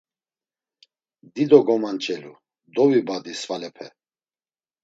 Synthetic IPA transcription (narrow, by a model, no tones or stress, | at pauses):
d̪id̪ɔɡɔmant͡ʃʼɛlu | d̪ɔvibad̪isvalɛpʰɛ